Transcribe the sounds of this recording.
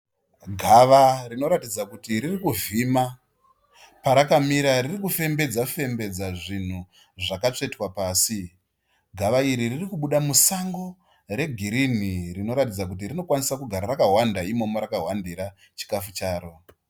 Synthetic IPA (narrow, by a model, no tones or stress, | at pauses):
ɡʱaʋarino̞ɾatid͡zakutiɾirikuvima | paɾakamiɾaririkufe̞mbe̞d͡zafe̞mbe̞d͡zaʐin̤u | ʐakat͡ʂe̞twapaːsi | ɡʱaʋaiɾiririkuɓuɗamusaŋɡo̞ | ɾe̞ɡʱiɾinirino̞ɾatid͡zakutirino̞kwanisakuɡʱaɾarakaɦwandaimo̞moɾakawandiɾa | t͡ʃi̥kafut͡ʃaːɾo̞